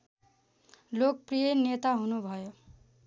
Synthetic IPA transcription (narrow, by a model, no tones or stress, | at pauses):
lok̚prijʌnet̪aɦunubʱʌjo